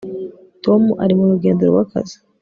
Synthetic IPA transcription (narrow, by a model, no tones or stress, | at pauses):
to̞muʔaɾimuɾuɡe̞ːndeɾowaka̰zi̥